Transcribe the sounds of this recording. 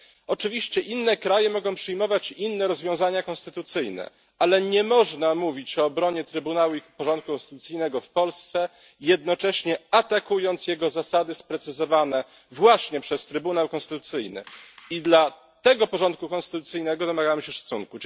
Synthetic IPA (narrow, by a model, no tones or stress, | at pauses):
ɔt͡ʂɘvʲiɕt͡ɕɛʔinːɛkɾajɛmɔɡɔ̃w̃pʂɘjmɔvat͡ɕinːɛɾɔzvʲjɔ̃w̃zaɲakɔ̃nst̪ɘt̪ut̪sɘjnɛ̰ | alɛɲɛmɔʐnamuvʲit͡ɕɔːbɾɔɲɛt̪ɾɘbunawuipɔʐɔnt̪̚kukɔ̃st̪ɘt̪ut̪sɘjnɛɡɔfpɔlst̪sɛ | jɛd̪̚nɔt͡ʂɛɕɲɛat̪akujɔnt̪sjɛɡɔzasad̪ɘspɾɛt̪sɘzɔvanɛ | vwaɕɲɛpʂɛst̪ɾɘbunawkɔnst̪ɘt̪ut̪sɘjnɘ̰id̪la | t̪ɛɡɔpɔʐɔnt̪̚kukɔ̃nst̪ɘt̪ut̪sɘjnɛɡɔd̪ɔmaɡamɘɕɛʂḁt̪suŋku